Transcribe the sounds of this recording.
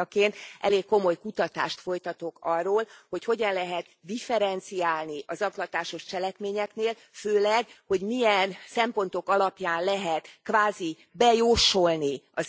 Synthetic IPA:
keːnt̪ɛ̰leːkːo̞mo̞jkut̪ɒt̪a̰ːʃt̪fo̞jt̪ɒt̪o̞kɒrːoːlho̞cho̞ɟɒnlɛɦɛt̪d̪ifɛɾɛnt̪sijaːlniʔɒzɒklɒt̪aːʃo̞ʃt͡ʃɛlɛkmeːɲɛkneːl | føːlɛɡho̞ɟmijɛnsɛmpo̞nt̪o̞kɒlɒpjaːnlɛɦɛt̪kvaːzi | bɛjoːʃo̞lniɒz

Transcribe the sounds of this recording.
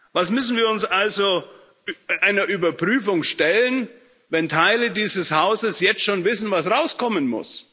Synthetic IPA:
vasmʏsn̩viːɐʊnsʔalzo | ɪnʔaɪnɐʔyːbɐpʁ̥yːfʊŋʃtɛlən | vɛntʰaɪlədiːzəshaʊzəsjɛt͡stʃoːnvɪsn̩vasʁaʊskʰɔmənmʊ̰s

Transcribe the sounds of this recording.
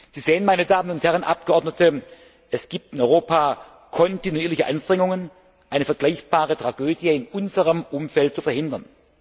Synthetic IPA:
z̥iːzeːənmaɪnədaːmənʊnthɛʁ̞ənʔa̰p̚ɡ̥əʔɔɐdnətʰə | ʔɛsɡ̥iːp̚tɪnɔʏʁoːpʰaː | kʰɔntinuiːɐlɪçəʔanʃtʁ̥ɛŋʊŋən | ʔaɪnəfɛɐɡ̥laɪçb̥aːʁətʁ̥aɡøːdjəɪnʔʊnzəʁəmʔʊmfɛltt͡sufɛɐhɪndɐn

